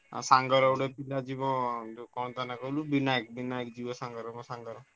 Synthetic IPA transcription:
saŋɡɔɾɔwɽepilad͡ʒibɔ̃kɔnt̪anakɔlubinaekbinaekd͡ʒibɔsaŋɡɔɾɔmɔ̃saŋɡɔɾɔ

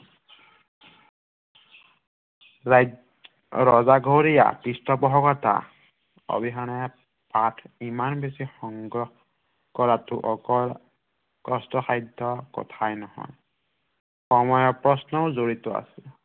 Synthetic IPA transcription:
ɹɔzaɡʱoɹija̰pistɔbɔɦɔkɔta̰ | ɔ̰biɦanɛ | patʰimanbesixɔŋɡɔ | kɔɹatʊʔɔɔ | kɔstʰɔxajdʱɔkɔ̰tʰajnɔhɔ̰j | xɔmɔjɔpɹɔsnɔʊzoɹitɔa̰sil

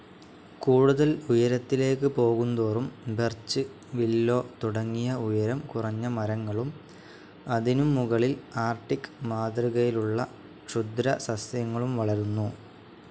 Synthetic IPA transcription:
kuːɽuðɐlujɐɾɐt̪ːile̞ːkːɨpo̞ːɣund̪oːrumbert͡ɕːɨ | ʋilːo̞ːt̪uɽɐŋːijɐujɐɾɐmkurɐɲːɐmɐɾɐŋːɐɭum | ɐðinumːuɣɐɭilaːrʈːikːmaːd̪riɣɐjiluɭːɐ | ʂud̪ɾɐsɐsjɐŋːɐɭumʋɐɭɐɾunːu

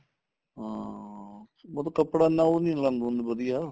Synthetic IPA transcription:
ɦãː | mət̪õkəpɽaːnãːonĩːlãːnd̪ɦʊ̃nd̪bəd̪ɪjaː

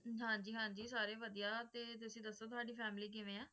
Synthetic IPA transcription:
ɦãːɲd͡ʒiːɦãːɲd͡ʒiːsaːɾeːʋəd̪ijaːt̪eːt̪ʊsĩːd̪əsːoːt̪ʊaːɖiːpʰɛːmliːk̬ɪʋẽːaː

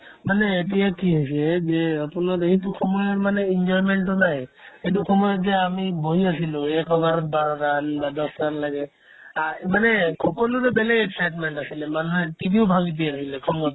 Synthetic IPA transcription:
maneːʈijakiɦɔjsed͡ʒeapunadekʰit̪ukʰɔmɔjɔɾmaneind͡ʒɔɾmeɳʈʈɔnajet̪̬ukʰɔmɔjɔzeamiboɦiasiluɛkɔɡaɾɔbaɾɔɾanbad̪ɔsɾanlaɡɛ | amanekʰɔkɔnuɾebɛleɡeksajʈmeɳʈasilɛmanuɦɛʈibʱiʊbʱaɡit̪̬iasilɛkʰɔmɔt

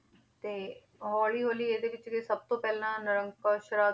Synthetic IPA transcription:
t̪eː | ɦɔːɭiːɦoːliːeːd̪eːʋɪt͡ʃɡesəb̚t̪õːpɛːlãːnəɾəŋkaːʃɾaː

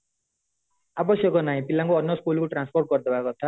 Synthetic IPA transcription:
abʌsjʌkonaɦĩpilːaŋkoʌnjʌskulkoʈransporʈ̚ɡʌrd̪ʌbʱakot̪ʰa

